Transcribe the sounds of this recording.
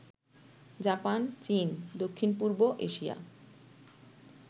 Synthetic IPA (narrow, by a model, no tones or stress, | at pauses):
d͡ʑapant͡ɕind̪okʰːinpuɾboʔeʃija̰